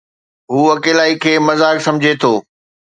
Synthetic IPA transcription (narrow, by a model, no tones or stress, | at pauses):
ɦuːɐkeːlaːikʰeːmɐzaːksɐ̃md͡ʑʱet̪ʰoː